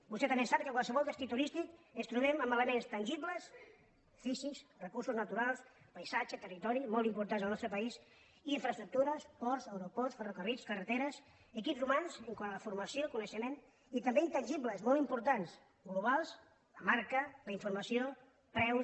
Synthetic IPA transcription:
bust̪ɛt̪əmbesap̚kəkwalˠsəβɔlˠd̪əst̪it̪uɾist̪ikəst̪ɾuβɛməmələmenst̪ənʲʒiβləs | fisisrəkuɾsuznət̪uɾalˠs | pəjsad͡ʒət̪ərit̪ɔɾimɔlˠt̪impuɾt̪anzəlnɔst̪ɾəpəis | iɱfɾəst̪ɾuk̚t̪uɾəspɔɾsəwɾupɔɾsfərokəriskərət̪eɾəs | əkipzrumanzəŋkaəfuɾməsijokunəʃəmen | it̪əmbeint̪ənʲʒibləzmɔlˠimpuɾt̪ans | ɡluβ̞alˠs | ləmaɾkəðəiɱfuɾməsio | pɾɛws

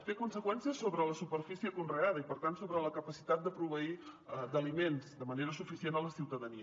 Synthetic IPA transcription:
fekunsəkwɛnsiəsoβɾələsupəɾfisiəkunreað̞əipəɾt̪ansoβɾələkəpəsi̥t̪at̪̚d̪əpɾuβəid̪əlimenzd̪əməneɾəsufisienələsiwt̪əðəniə

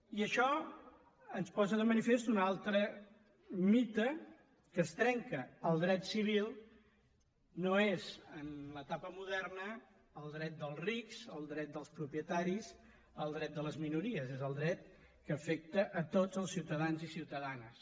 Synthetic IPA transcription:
iəʃɔ | ənspɔzəðəmənifest̪unalˠt̪ɾə | mit̪ə | kəst̪ɾɛŋkəːlˠd̪ɾɛt̪siβ̞ilˠ | noezənlət̪apəmuðɛrnəː | lˠd̪ɾɛt̪̚d̪əlˠzriksəlˠd̪ɾɛt̪̚d̪əlˠspɾupiət̪aɾiz | əlˠd̪ɾɛt̪̚d̪ələzminuɾiəzezəlˠd̪ɾɛt̪̚ | kəːfɛk̚t̪əʔːt̪od͡zəlˠsiwt̪əðanzisiwt̪əðanəs

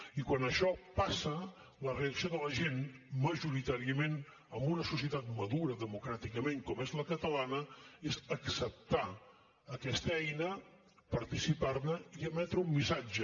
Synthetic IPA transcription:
ikwanəʃɔpasə | ləreəksioðələʒenməʒuɾit̪aɾiəmen | əmbunəsusiət̪at̪məðuɾəðəmukɾat̪ikəmeŋkɔmezləkət̪əlanəezəksəp̚t̪a | əkɛst̪əɛjnə | pəɾt̪isiparnəiəmɛt̪ɾəumːisad͡ʒə

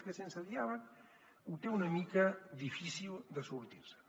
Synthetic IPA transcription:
kesensaðiaβan | ut̪eunamikaðifisild̪əsuɾt̪iɾsə̥

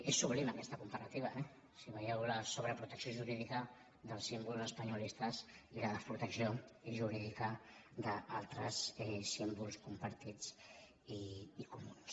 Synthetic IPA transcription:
esːuβliməkɛst̪əkumpəɾat̪iβ̞əɛ | siβəjɛwləsoβ̞ɾəpɾut̪əksioʒuɾiðikə | ðəlˠsimbulˠzəspəɲulist̪əziləðəspɾut̪əksioʒuɾiðikəd̪əʔalˠt̪ɾəsɛsimbulˠskumpəɾt̪id͡z | iːkumuns

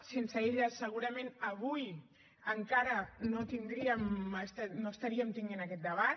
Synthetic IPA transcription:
sensəeʎəsːəɣ̞uɾəmẽnəβ̞uj | əŋkaɾənot̪ind̪ɾiəməst̪anoəst̪aɾiəmt̪iŋɡenakɛt̪̚d̪əβ̞a

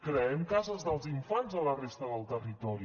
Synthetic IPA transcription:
kɾəɛmkazəzðəlˠziɱfanzələrest̪əðəlˠt̪ərit̪ɔɾi

